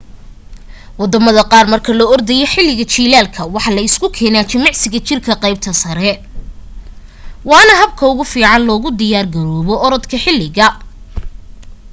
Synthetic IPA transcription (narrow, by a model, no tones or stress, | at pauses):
wɑd̪ɐmɐðɐqɑːrmɐrkʰɐlɔɔrd̪ɐjɔħɪlɪɣɐt͡ʃiːlaːlkʰɐwɑħɑlɐɪskʰʊkʰɛːnaːt͡ʃɪmɑʕsɪɣɐt͡ʃɪrkʰɐqɑjb̚t̪ʰɐsɐɾɛ | wɑːnɐɦɐb̚kʰɐʊɣʊfiːʕɑnlɔːɣʊd̪ɪjaːrɡɐɾɔːβɔɔɾɔd̪kʰɐħɪlːɪɣɐ